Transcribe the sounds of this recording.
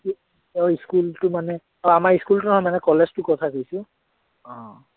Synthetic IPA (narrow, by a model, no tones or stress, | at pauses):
i | ɔiskultʊmanɛ | ɔamaɹiskultʊnɦɔjmanɛkɔlɛztʊkɔtʰakojsʊ̃ | ɔ̃